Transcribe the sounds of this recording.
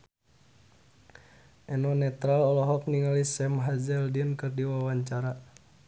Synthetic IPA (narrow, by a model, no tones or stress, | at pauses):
ʔɛnɔnɛt̪ɾalɔlɔɦɔk̚niŋalisɛmɦazɛldinkɨrdiwawaɲt͡ʃaɾa